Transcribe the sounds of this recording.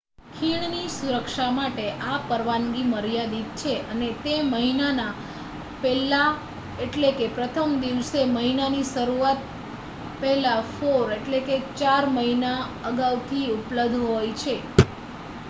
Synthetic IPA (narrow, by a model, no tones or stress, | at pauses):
kʰiɳnisuɾəkʃamaʈeʔapəɾʋaŋɡiməɾjad̪it̪̚t͡ʃʰeʔənet̪eməɦinana | pɛla | eʈlekepɾət̪ʰəmd̪iʋseməɦinaniʃəɾuat̪̚ | pɛɦlafoɾeʈleket͡ʃaɾməɦinaəɡaʋt̪ʰiupləbd̪ʱɦojt͡ʃʰe